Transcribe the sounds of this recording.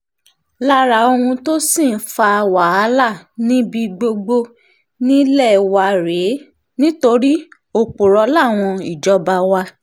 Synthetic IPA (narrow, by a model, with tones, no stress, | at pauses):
la˦ɾa˨˧˦o˧ũ˧to˦sĩ˦˨n̩˨˦fa˧wa˨a˧˦la˦˨nĩ˦bi˧ɡ͡bo˧ɡ͡bo˧ | nĩ˦lɛ˦˨wa˧ɾe˨˦ | nĩ˦to˧ɾi˦ | o˧k͡po˨ɾɔ˧˦la˦˨w̃ɔ̃˧i˨d͡ʒɔ˨˦ba˧wa˧